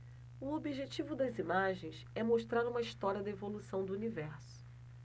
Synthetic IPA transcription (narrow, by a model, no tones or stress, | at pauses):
ʊobiʒet͡ʃivʊd̪ɐzimaʒẽj̃s | ɛmoʃt̪ɾaɾũmɐiʃt̪ɔɾiɐd̪ɐevolusɐ̃w̃d̪ʊunivɛɾsʊ̥